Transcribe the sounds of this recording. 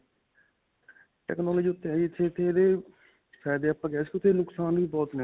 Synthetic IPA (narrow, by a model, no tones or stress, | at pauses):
ʈɛ̰ːknɔːlːd͡ʒiːʊt̪ːeiɪt̪ʰːeːt̪ʰːeːd̪eː | sɛːd̪eːəpːakɛːskiʊt̪ʰːeːnʊksaːnʋiːbɔːt̪ne